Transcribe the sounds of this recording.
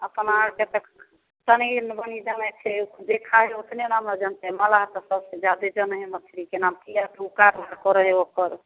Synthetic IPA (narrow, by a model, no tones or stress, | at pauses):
əpənaɾket̪ək | t̪əninbənid͡ʒamɛt͡ʃʰɛd̪ekʰaɦɛot̪nenamlad͡ʒənt̪eməlaɦt̪ɔsəbsẽd͡ʒad̪ed͡ʒənɦemət͡ʃʰɾikenamkijad̪ʱukaɾaɾkɔɾəɦeokəɾ